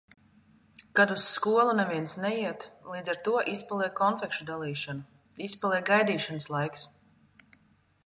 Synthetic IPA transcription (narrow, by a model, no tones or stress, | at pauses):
kad̪usːkuɔlˠunɛviɛnsnɛjiɛt̪lˠiːd̪zaɾt̪uɔʔispalˠɛːkɔnfɛkʃud̪alˠiːʃanu | ispalˠɛjɡajd̪iːʃanəslˠajks